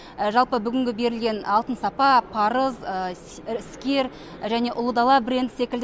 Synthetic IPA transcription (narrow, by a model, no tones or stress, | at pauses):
ʒɑlˠpəbʏɡʲɪŋɡʲɪbe̞ɾɪlɡʲe̞nɑlˠt̪ənsɑpɑpʰɑɾəz | ɪskʲe̞ɾ | ʒæne̞ʔʊlˠəd̪ɑlˠɑbɾʲe̞nd̪sekʲɪld̪